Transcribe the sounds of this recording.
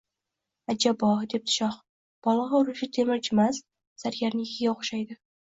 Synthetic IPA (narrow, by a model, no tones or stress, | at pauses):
ad͡ʒabɒd̪e̞p̚t̪ʰɪ̥ʃɒχ | b̥ɒlˠɒʁɒʊɾʊʃɪt̪ʰemɪɾt͡ʃʰɪmas | saɾɡʲaɾnɪjɪkʲɪɡʲaoχʃajd̪ɪ